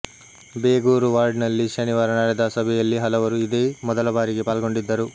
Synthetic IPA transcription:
beːɡuːɾuʋaːɾɖnɐlːiʃɐniʋaːɾɐnaːɾɐd̪aːsɐbʱɛjɐlːiɦɐlɐʋɐɾuid̪e̞ːmɔd̪ɐlɐbaːɾiɡe̞paːlɡo̞ɳɖid̪ːɐɾu

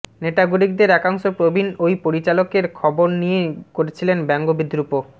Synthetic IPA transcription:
neʈaɡuɾik̚d̪eɾɛkaŋʃopɾobʱinojpoɾit͡ɕalokeɾkʰɔboɾnijekoɾet͡ɕʰilenbɛŋɡobid̪ɾupo

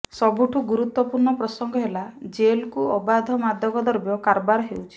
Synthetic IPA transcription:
sɔbuʈʰuɡuɾut̪wɔpuɾɳɔpɾɔsɔŋɡɔɦelad͡ʒelkuɔbad̪ʱɔmad̪ʱjɔɡɔd̪ɔɾbjɔkaɾbaɾɔɦewt͡ʃʰi̥

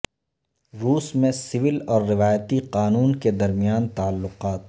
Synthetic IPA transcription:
ɾuːsmẽsɪʋɪlɔːɾːɪʋaːjt̪iqaːnuːnked̪ɐɾmijaːnt̪aːlːʊqaːt̪̚

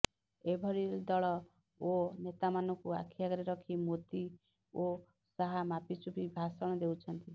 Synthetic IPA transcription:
ebʱɔɾild̪ɔɭɔ | onet̪amanɔkua̰kʰijaɡɔɾeɾɔkʰimot̪i | o | saɦamapit͡ʃubʱibʱasɔɽ̃ɔd̪ewt͡ʃʰʌnt̪i

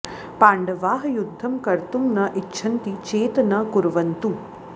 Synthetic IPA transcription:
paːɳɖɐʋaːɦɐjud̪ʱːɐmkɐɾt̪umnɐʔitːʃʰɐnt̪it͡ʃeːt̪ɐnɐkuɾʋɐnt̪u

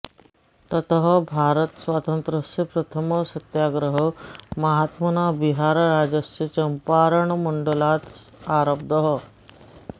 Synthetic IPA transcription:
t̪ɐt̪ɦəbʱaːɾət̪sʋaːt̪ənt̪ɾəsɐpɾɐt̪ʰəməsɐt̪jaːɡɾəɦəmɐɦat̪mɐnabiɦaːɾɾad͡ʑɐsət͡ɕɐmpaɾəɳməɳɖəlat̪ | aːɾəb̚d̪əɦə

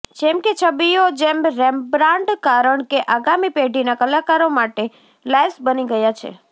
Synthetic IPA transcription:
d͡ʒɛmket͡ʃʰəbijod͡ʒemɾɛmbɾãɳɖkaɾəɳkeʔaɡamipeɖʱinakəlakaɾomaʈe | lajsbəniɡəjat͡ʃʰḛ

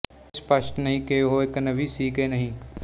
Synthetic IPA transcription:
spəʃʈnəɦĩːkeɦoɪknəʋisiːkenəɦĩː

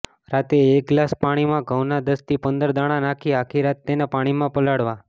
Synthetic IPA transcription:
ɾat̪eek̚ɡlaspaɽ̃imãɡʱəwnad̪əst̪ipənd̪əɾd̪aɽ̃ãnakʰiakʰiɾat̪ːenepaɽ̃imãpəlaɽʋã

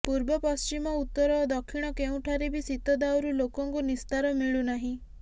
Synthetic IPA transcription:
puɾbɔpɔst͡ʃimɔut̪ːɔɾɔːd̪ɔkʰːiɽ̃ɔkeũʈʰaɾebisit̪ɔd̪awɾulokɔŋkunist̪aɾɔmiɭunaɦĩ

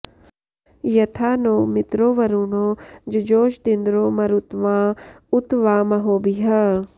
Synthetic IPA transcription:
jɐt̪ʰaːnoːmɪt̪ɾoːʋɐɾuːnoːd͡ʒɐd͡ʒoːʃd̪ind̪ɾoːmɐɾut̪ʋãː | ut̪ʋaːmɐɦoːbiɦa

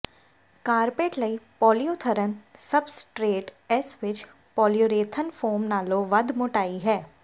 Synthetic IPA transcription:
kaːɾpeːʈlɐipɔːlijoːt̪ʰəɾənsɐbsʈɾeːʈɛsʋɪt͡ʃ | pɔːlijoːɾeːt̪ʰənfʰoːmnaːloʋɐd̪ʱmʊʈaːiɦɛː

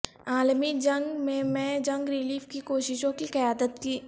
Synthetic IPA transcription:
aːlmid͡ʒɐ̃ŋɡmẽmɛ̃ːd͡ʒɐ̃ŋɡɾɪliːfkikoːʃɪʃõkiqɐjaːd̪ət̪kiː

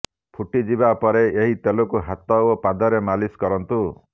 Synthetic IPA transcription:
pʰuʈid͡ʒibapɔɾeeɦit̪elokuɦat̪ɔopad̪ɔɾemaliskɔɾɔnt̪u

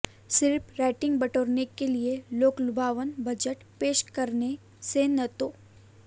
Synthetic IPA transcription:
sɪɾpʰɾaːɪʈɪ̃ŋɡbɐʈoːɾnekelieloːklʊbʱaːʋənbɐd͡ʒəʈpeːʃkɐɾne | senɐt̪oː

